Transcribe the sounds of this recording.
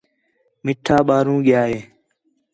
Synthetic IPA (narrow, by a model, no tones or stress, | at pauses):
mɪʈʰaːɓaːɾũːɠɪjaːɦeː